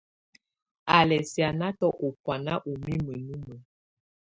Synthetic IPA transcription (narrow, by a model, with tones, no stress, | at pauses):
a˨lɛ˨si˨a˨na˦tɔ˦ʔo˨pwa˨na˦ʔu˨mi˦mə˨nu˦mə˨